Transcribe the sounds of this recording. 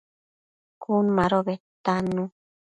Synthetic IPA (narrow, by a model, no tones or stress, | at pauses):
kunmaɾoβet̪anũ